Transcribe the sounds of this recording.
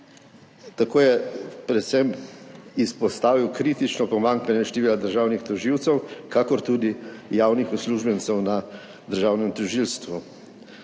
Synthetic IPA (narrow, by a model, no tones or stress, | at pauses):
t̪akoːjɛpɾɛt̪sɛmispɔst̪aːʋiwkɾiːt̪it͡ʃnɔpɔmaŋkanjɛʃt̪ɛʋiːlad̪əɾʒaːwnixt̪ɔʒiwt̪sɛwkakɔɾt̪uːd̪ijaːwnixusluːʒbɛnt̪sɛwna | d̪əɾʒaːwnɛmt̪ɔʒilst̪ʋu